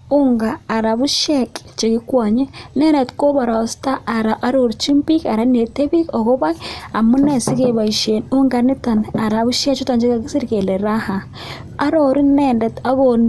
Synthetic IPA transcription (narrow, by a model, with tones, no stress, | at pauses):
u˦ŋɡaː˨ɾa˨βu˦ʃe˦kʼt͡ʃe˨ɡi˦kwa˨ɲe˦ne˦ne˨t̪ko˦βa˨ɾa˨sta˦a˨ɾa˨ʔa˦ɾo˨ɾt͡ʃi˦mpi˦ka˨ɾa˦ne˨te˦βi˦ko˨ko˦βa˦a˨mu˦ne˨si˦ke˨βa˨i˨ʃe˨nu˦ŋɡa˨ni˦ta˨na˨ɾa˨βu˦ʃe˦t͡ʃu˦ta˨nt͡ʃi˦ka˨ɡi˦si˦ɾke˨le˨ɾa˦ha˨ | a˦ɾo˨ɾi˦ne˦˨nde˨t̪a˦βon